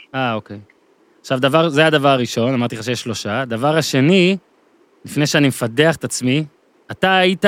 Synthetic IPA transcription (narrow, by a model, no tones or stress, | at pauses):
ao̞kej | aχʃavd̪avaʁzead̪avaʁaʁiʃo̞namaʁt̪iχaʃeeʃlo̞ʃad̪avaʁaʃe̞ni | lifne̞jʃeanimefade̞aχet̪at͡smi | at̪aːit̪a